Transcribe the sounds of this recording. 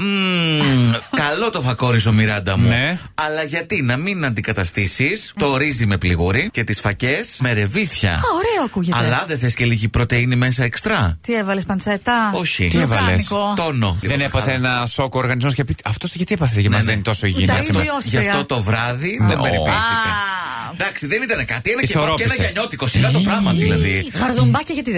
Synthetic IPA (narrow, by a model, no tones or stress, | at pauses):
kɐlo̞t̪o̞fɐko̞ɾis̬o̞miɾɐnd̪ɐmnue | ɐlɐʝɐt̪inɐminɐnd̪ikɐt̪ɐst̪isist̪o̞ːɾizime̞pliɣuɾice̞t̪isfɐce̞sme̞ɾe̞viθçɐ̰oɾeoɐkuʝeɐlɐðeθesce̞liʝipɾot̪e̞inime̞s̬ɐekst̪ɾɐt̪ievɐlespɐnt͡set̪ɐo̞çit̪ievɐlenisot̪o̞no̞iðenepɐθeenɐso̞koːɾɣɐnizmoscɐpiɐft̪osʝɐt̪iepɐθet̪cemɐnt̪o̞soiʝinɐsʝɐft̪o̞t̪o̞vɾɐðiðebeɾiesit̪e | d̪ɐksiðenit̪ɐnekɐt̪ienɐioɾoenɐʝɐɲo̞t̪ikosiɣɐt̪opɾɐmɐðilɐðiɣɐɾðumbɐcɐʝɐt̪i